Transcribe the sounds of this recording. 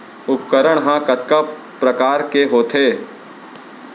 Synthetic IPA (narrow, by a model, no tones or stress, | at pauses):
ʊpkəɾəɽ̃ɦãːkɐt̪ka | pɾəkaːɾkeɦoːt̪ʰeː